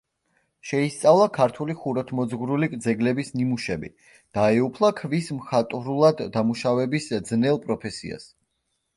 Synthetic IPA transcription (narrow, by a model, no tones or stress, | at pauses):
ʃɛist̪sʼavlˠakʰaɾt̪ʰuliχuɾɔt̪ʰmɔd̪zɡɾulikʼd̪zɛɡlɛbisnimuʃɛbḭ | d̪̥aɛupʰlˠakʰvismχat̪ʼvɾulˠad̪ːamuʃavɛbisd̪znɛlˠpʼɾɔpʰɛsḭa̰s